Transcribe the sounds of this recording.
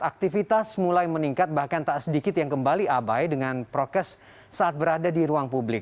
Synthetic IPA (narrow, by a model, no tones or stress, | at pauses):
ak̚t̪ifit̪asmulajməniŋkat̪̚bahkant̪aʔasədikɪt̪̚jaŋkəmbaliʔabajdəŋanpɾot̪ɛsː | aʔat̪̚bəɾadadiɾuaŋpublɪk̚